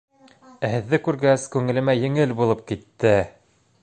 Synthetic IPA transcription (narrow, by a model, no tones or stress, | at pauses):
æhɘ̆ðːɘkʉɾɡæskʉŋɘ̆lɘ̆mæjɘ̆ŋɘlbulˠɤp̚kit̪ːɘ